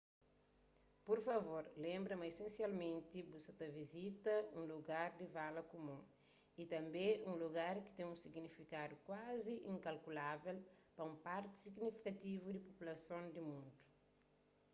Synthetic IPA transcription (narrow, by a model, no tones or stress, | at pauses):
poɾfɐvoɾlẽmbɾɐmɐisẽnsjalmẽnt̪ibusɐt̪ɐvizit̪ɐũluɡaɾd̪ivalɐkumũ | it̪ɐ̃mbẽũluɡaɾki̥t̪ẽŋũsiɡnifikad̪ukwaziʔĩŋkɐlkulavɛlpɐũpaɾt̪i̥siɡnifi̥kɐt̪ivud̪ipopulɐsõnd̪imũnd̪u̥